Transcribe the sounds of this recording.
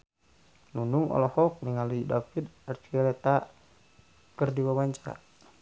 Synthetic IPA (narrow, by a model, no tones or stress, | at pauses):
nunuŋɔ̰lɔhɔk̚niŋalidafid̪art͡ʃiɛlɛt̪a | kərdiwawaɲt͡ʃaɾa̰